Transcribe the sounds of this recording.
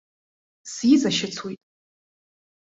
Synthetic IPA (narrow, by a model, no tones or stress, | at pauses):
sizaʃɪt͡sʰwejtʼ